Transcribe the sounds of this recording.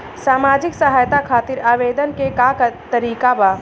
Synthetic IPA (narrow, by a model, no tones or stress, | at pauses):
saːmaːd͡ʒɪksɐɦaːjt̪akʰaːt̪ɪɾaːʋeːd̪ənkekakt̪ɐɾiːkabaː